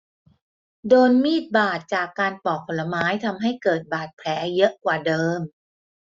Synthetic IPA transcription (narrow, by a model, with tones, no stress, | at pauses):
doː˧nmiː˥˩t̪̚baː˨˩t̪̚t͡ɕaː˨˩kːaː˧npɔː˨˩k̚pʰo˧˦lːa˧maː˦˥jt̪ʰa˧mɦa˥˩jkɤː˨˩t̪̚baː˨˩t̪̚pʰlɛː˩˦˥jɤ˦˥ʔkwaː˨˩dɤː˧m